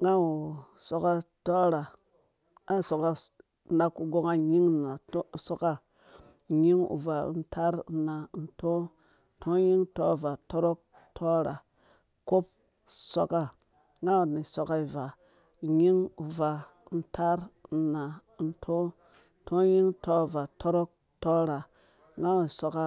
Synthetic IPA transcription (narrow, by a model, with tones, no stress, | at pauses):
ŋɡa˦wu˨ | so˨ka˦to˦ɾa˨ | ŋɡa˦˨so˨ka˦˨ | nda˦ku˨ɡo˦ŋa˦ɲi˦ŋ˨na˨˦˨so˦ka˦˨ | ɲi˦ŋṵ˨va˨˦n̩˦tʰa˦ɾna˨˦n̩˨˦tʰo˦ | tʰo˦ji˦ŋto˦˨va˨to˦ɾo˦k̚ | tʰo˦ɾa˨ | ko˦p̚ | so˦ka˦ | ŋa˦˨ni˨so˨ka˦i˨va˨ | ɲi˦ŋu˨va˨˦ | n̩˦tʰa˦ɾna˨n̩˦tʰo˦ | tʰo˦ji˦ŋto˦˨va˨to˦ɾo˦k̚ | to˦ɾa˨ | ŋɡa˦i˨so˨ka˦